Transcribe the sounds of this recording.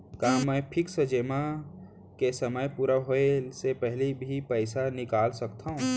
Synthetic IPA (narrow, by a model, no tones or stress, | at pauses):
kaːmɛ̃ːpʰɪksəd͡ʒeːmã | kesəməjpuːɾaɦoesepɛɦlibʱipɛɪsanɪkaːlsɐkt̪aɦũː